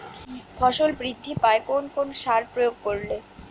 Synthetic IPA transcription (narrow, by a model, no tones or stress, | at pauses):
fʰɔʃolbɾid̪ʱːipaekonkonoʃaɾpɾojoɡ̚koɾle